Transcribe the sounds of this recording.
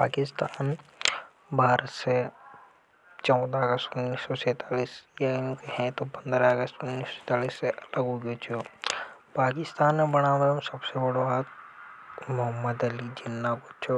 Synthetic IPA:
paːkɪst̪aːn | bʱaːɾət̪se | t͡ʃɔʊ̃d̪aəɡəst̪ʊnːiːsːɔsɛːt̪aːliːsjaũːkiɦɛ̃t̪opɐ̃nd̪ɾaəɡəst̪ʊnːiːsɔ̥ɛːt̪aːliːsːeʔɐləɡɦoɡjot͡ʃʰo | paːkɪst̪aːnmẽbɐɽ̃aːmeõsɐbsebɐɽoaːt̪̚ | mʊɦəmːəd̪ɐlid͡ʒɪnːakot͡ʃʰo

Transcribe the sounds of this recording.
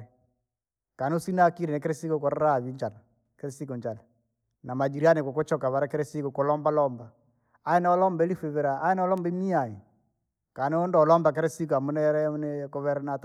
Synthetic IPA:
kanosinakiɾɛnek̬eɾesikokoɾaɾaβiɲd͡ʒala | keɾesikɔɲd͡ʒala | namad͡ʒiɾianekokot͡ʃɔkaβaɾɛkeɾɛsikokolɔmbalɔmbaː | ɛnɔlɔmbɛlifeβeɾaːɛnɔlɔmbimiai | kaneondɔːlɔmbak̬eɾɛsik̬amunɛɾɛnekoβɛɾɛnat

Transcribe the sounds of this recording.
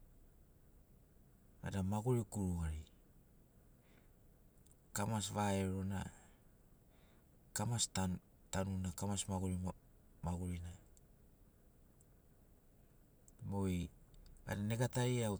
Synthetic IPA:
a̰damaɡuɾikuɾuɡaɾi | kamasβaeɾo̞na̰ | kamast | tanunakamasmaɡuɾi | maɡuɾina | mo̞ja̰dane̞ɡataɾiaw

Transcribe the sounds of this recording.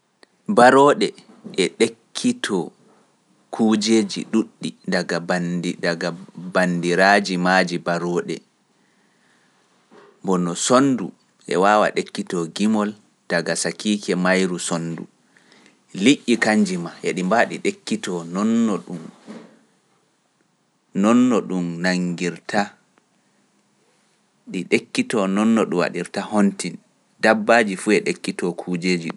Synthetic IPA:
baɾɔːɗɛ | ʔɛɗekʰːitʰɔ | kʰuːd͡ʒeːd͡ʒḭɗuɗːidaɡabadaɡabandiɾad͡ʒimaːd͡ʒibaɾɔːɗɛ̰ | bɔnɔsondu | ʔɛ̰waːwa̰ɗekːitɔɡimɔl | d̥aɡasakiːkɛmajɾusondṵ | liʔʲːikaɲd͡ʒimaʔɛɗimbaɗiɗekːitɔnɔnːɔɗum | nɔnːɔɗumnaŋɡiɾtʰa | ɗiɗekːitɔnɔnːɔɗuwa̰ɗiɾtahonti | dabːaːd͡ʒifuɛɗekːitɔkʰuːd͡ʒeːd͡ʒiɗum

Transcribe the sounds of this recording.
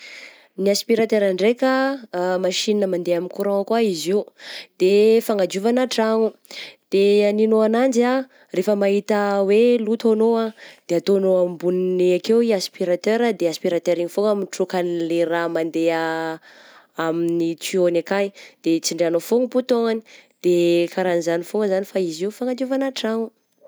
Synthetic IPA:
niaspiɾat̪eɾaɳɖ͡ʐekəmaʃininəmand̪eaminkuɾaakwaiziud̪̥efaŋad͡ʒuvanaʈ͡ʂaŋud̪̥eaninoanand͡ʒa | refəmaɦit̪əwelut̪onoad̪̥eat̪onoambunineakewiaspiɾat̪øɾad̪easpiɾat̪øɾiɲifoŋaminʈ͡ʂukanleɾamand̪ea | aminit͡sionakajd̪̥et͡siɳɖ͡ʐeanofoŋəput̪oŋani̥d̪̥ekaɾanizanifoŋəzanifaiziufaŋad͡ʒ̪iuvanaʈ͡ʂaŋu

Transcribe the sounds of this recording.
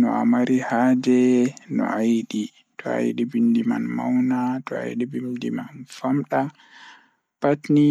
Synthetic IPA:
nɔa̰maɾihad͡ʒɛnɔ̰ʔajɗi | tʰɔa̰jɗibimdimanma̰wnatʰɔa̰jɗibimdimanfamɗa | patni

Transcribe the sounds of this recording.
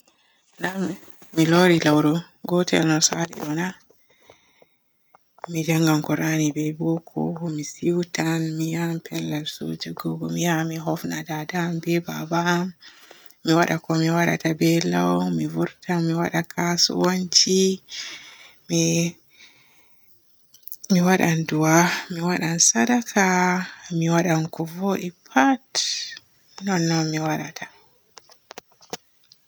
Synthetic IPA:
na | miloɾilawɾɔ | ɡɔtɛ̰lnɔsalḭʔɔna | mid͡ʒaŋɡamkɔɾʔanibɛbɔkʰɔ̰hɔmisiwtanmijampʰɛlːalso̰ːd͡ʒɛɡɔɡɔmijamiɦɔfnadadambɛbabamː | iwaɗakɔmiwaɗa̰tabɛlawmivuɾtamiwaɗakʰasɔ̰woɲt͡ʃi | m | miwaɗanduwamiwaɗansadakʰamiwaɗankɔvoɗipʰat | nɔnːɔnmiwaɗatʰa

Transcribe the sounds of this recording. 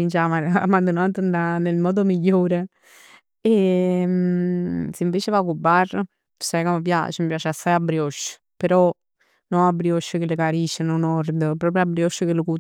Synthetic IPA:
int͡ʃamaamːand̪unant̪ənanelmɔːd̪omiʎːoːɾe | e | siɱveːt͡ʃevakubːar | sajkomːəpja̰t͡ʃəmipjaːt͡ʃeasajabːɾiɔʃːə̥ | peɾɔ | nɔabːɾiɔʃːəkelɪkaɾiʃənonɔɾd̪əpɾɔːp̬ɾjoabːɾjɔʃːəkeləku

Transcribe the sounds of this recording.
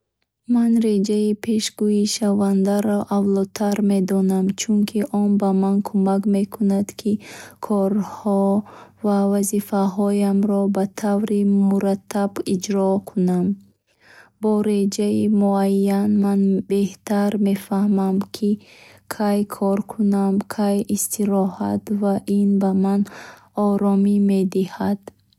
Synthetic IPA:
manɾed͡ʒaipʰe̞ʃɡuiʃavand̪aɾɔʔavlɔt̪ʰaɾme̞d̪ɔnamt͡ʃʰuŋkʰiʔɔnbamankʰumakme̞kʰunad̪kʰikʰɔɾhɔvavazifaɦɔjamɾɔbat̪ʰavɾimuɾat̪ʰːabid͡ʒɾɔkʰunam | bɔɾed͡ʒaimuajːanmanbeht̪ʰaɾme̞fahmamkʰikʰajkʰɔɾkʰunamkʰajist̪ʰiɾɔha̰t̪vaʔinbaman | ɔɾɔmime̞d̪ihad̪̥

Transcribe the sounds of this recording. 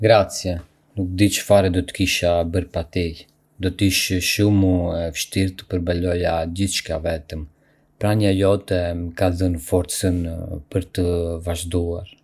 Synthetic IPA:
ɡɾat͡sjɛ | nuk̚d̪it͡ʃə̥faɾɛd̪ɔt̪ə̥kiʃabəɾpat̪i | d̪ɔt̪iʃʃumuɛfʃt̪iɾt̪ə̥pəɾbalɔjaɟiθʃkavɛt̪əm | pɾaɲajɔt̪ɛəkaðənfɔɾt͡sənpəɾt̪əvaʒd̪uaɾ

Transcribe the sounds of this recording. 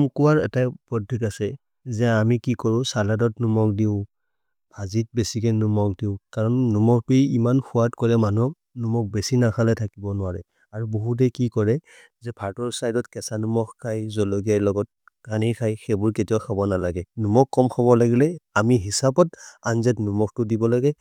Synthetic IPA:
mkuwaɹɛ̰tapɹɔdʱikasɛ | zɛamikikɔɹʊ̃saladɔtnumɔk̚diʊ | b̥ʱazit̚besikɛnumɔk̚diʊ̃kaɹɔnːumɔkpijimanxʰuwatkɔɹɛmanu | numɔk̚besinakʰalɛtʰakibɔnʊwaɹɛ | aɹubɔɦut̬ɛkikɔɹɛ | zɛpʰaɹtɔɹsajdɔtkɛsanumɔkkʰːajzɔlɔɡijalɔɡɔt̚ | kanikʰajxɛbʊɹketiakʰabɔnalaɡɛnumɔkːɔmxʰɔβɔlaɡilɛamiɦisapɔtanzɛtnumɔk̚tʊdibɔlaɡɛ

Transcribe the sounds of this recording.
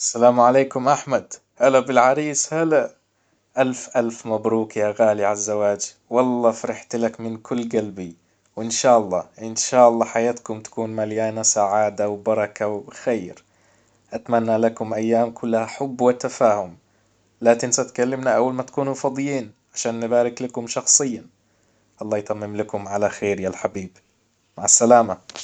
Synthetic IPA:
ʔasːalaːmʕaleːkʊmʔaħmad̪ | halabɪlʕaɾiːshala | ʔalfʔalfmabɾuːkjaɣaːliʕalzːawaːd͡ʒ | wɑlˤːɑːfɾɪħt̪lakmɪnkʰʊlːɡalbi | wɪnʃaːʔɑlˤːɑːʔɪnʃaːʔɑlˤːɑːħajaːt̪kʊmt̪ḁkuːnmaljaːnasaʕaːd̪awbɑɾˤɑkawxaːɾ | ʔat̪manːalakʊmʔajːaːmkʰʊlːahaħʊbːwɪt̪afaːhʊm | laːkɪnsat̪kalːɪmnaʔawːalmat̪ḁkuːnufɑd̪ˤjiːn | ʕaʃaːnːɪbaːɾɪklakʊmʃɑxsˤɨjːa | ʔɑlˤːɑːjt̪ˤamːɪmlakʊmʕalaxeːɾjaːlħabiːb | maʕasːalaːma

